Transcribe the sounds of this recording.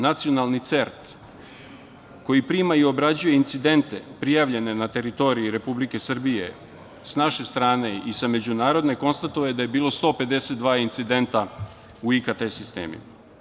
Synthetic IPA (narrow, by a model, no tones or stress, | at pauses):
nat̪sio̞nalˠnit̪se̞ɾt̪ | ko̞jipɾiːmaio̞bɾad͡ʑuje̞int̪sid̪e̞nt̪e̞pɾijaʋʎe̞ne̞nat̪e̞ɾit̪o̞ɾiiɾe̞publike̞sr̩bije̞ | snaʃe̞st̪ɾaːne̞isame̞d͡ʑunaːɾo̞d̪ne̞ko̞nst̪at̪ojed̪aje̞biːlˠo̞st̪o̞ːpe̞d̪eset̪d̪ʋaːint̪sid̪e̞nt̪a | uikat̪esist̪ḛːmḭ